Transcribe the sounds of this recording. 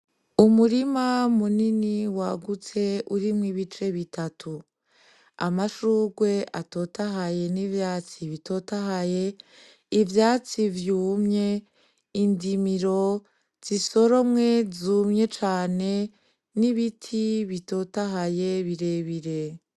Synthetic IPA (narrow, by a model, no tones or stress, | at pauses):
umuɾimamuniniwaɡut͡se̞uɾimwiβit͡ʃe̞βitʰatʰu | a̰maʃuːɡwe̞ʔato̞taɦaje̞nivjaːt͡siβito̞tahaje̞ | ivjaːt͡sivjuːmɲe̞ | indimiɾo̞ | z̥iso̞ɾo̞mŋe̞zuːmɲe̞t͡ʃaːne̞ | niβitʰiβito̞taɦaje̞βiɾe̞βiɾe̞